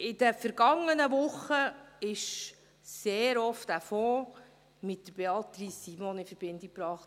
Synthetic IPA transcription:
ɪd̥əfəɾɡ̥ɑŋːənəʋʊχːəɪʃ | seːɾɔftdæfɔː | mɪtdəɾbeɑt̪ɾisːimɔnɪfəɾb̥ɪndɪk̚pɾɑːχt

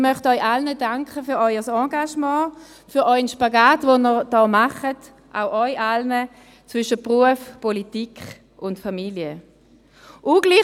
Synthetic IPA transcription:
mœχtœʏʔalnədaŋkχəfyːɐɔʏəsɑ̃ːɡaʃmɑ̃ː | fyːɐɔʏnʃpaɡaːtvonəʁd̥ɔːmaχət | ʔa̰ʊʔɔʏʔalnə | t͡svʏʃəpʁuəfpɔlitikχ | ʊntfamiljə | ʔuɡli

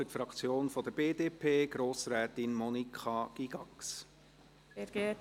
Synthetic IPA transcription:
fytfɾɑkt͡sjoːnfɔd̪əb̥eːdeːpʰeːɡ̥ɾoːsɾæːt̪ɪnmɔnikʰχɑɡ̥iɡ̥ɑks | ɛɾɡeː

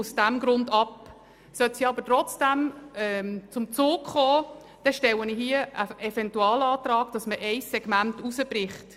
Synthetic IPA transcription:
ʊsd̥æmɡɾʊndɑp | sœtsiɑbətɾɔt͡sd̥æmɛt͡sʊmt͡soːkχɔː | d̥ɛʃtɛwəniɦiəəɛfɛntuɑːlɑːtrɑːɡ̥̚d̥ɑsməʔɛɪsːɛɡ̥mæntusəb̥ɾɪχt

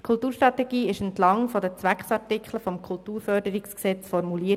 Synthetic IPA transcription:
kʰʊlˠtuːɾʃtɾɑtɛɡ̥iːɪʃəntlɑŋfɔdət͡sʋækχsɑɾtikχləfɔmkʰʊltuːɾfœɾdəɾiksksɛt͡sfɔɾmuliːə

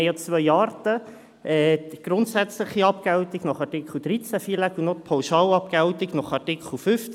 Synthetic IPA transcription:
jɑt͡svœjɑːrtə | ɛɡ̥ɾʊntsæt͡sləχiɑpɡ̥awtiɡnɔχɑrtikχl̩d̥̪ɾit͡sæfiːlækunot̪pʰawʃɑːlɑp̚ɡ̥altiɡnɔχɑrtikχl̩fʏft͡s

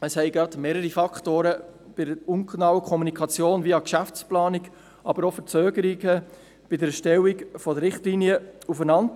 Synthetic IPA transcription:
əshɛɪɡɾɑdmeːɾəɾifɑkʰtoːɾə | b̥ɪdəʊnknɑwəkʰɔmunikʰɑt͡sjoːnviːɑkʃæft͡splɑːnɪk | ʔɑbəɾɔfəɾt͡søːɡəɾiɡə | b̥ɪdəɾɛʃtɛwiɡfɔdəɾɪχtlinjəufənɑnt

